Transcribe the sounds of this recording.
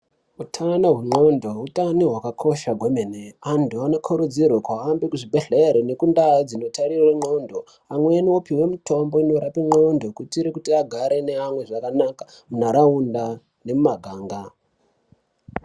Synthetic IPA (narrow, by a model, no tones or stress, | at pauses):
utʰanoɦweŋ͡ǃo̞ndo̞utaniɦwakakʰo̞ʃaɡʱwemeneanduano̞kʰoɾud͡zirwekwaːmbikuʐibʱe̞ɮeɾene̞kundad͡zino̞taɾiraŋ͡ǃo̞ndo̞ | amweniopiwe̞mutʰo̞mboino̞ɾapiŋ͡ǃo̞ndo̞kutiɾekutiaɡʱaɾe̞ne̞amwe̞ʐakanakḁ | munaɾaunda | ne̞mumaɡʱaːŋɡa